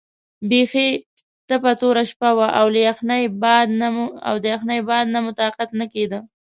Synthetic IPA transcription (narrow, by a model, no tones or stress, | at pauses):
bexe | t̪əpat̪oɾaʃpawaʔawlajaxnajbɑd̪na̰wd̪əjaxnajbɑd̪namʊt̪ɑqat̪naked̪ə